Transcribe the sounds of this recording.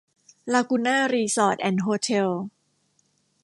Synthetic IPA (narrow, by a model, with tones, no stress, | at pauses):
laː˧ku˧naː˥˩ɾiː˧sɔː˧˩t̪̚ʔɛ˧˩nɦoː˧t̪ʰe˧l